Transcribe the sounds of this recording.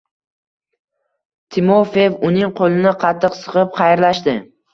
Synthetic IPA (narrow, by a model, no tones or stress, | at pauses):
t̪ʰɪmofevʊnɪŋqʰolˠɪnɪqʰɑt̪ʰːɨqsɨ̥ʁɨp̚qʰɑjɾlaʃd̪ɪ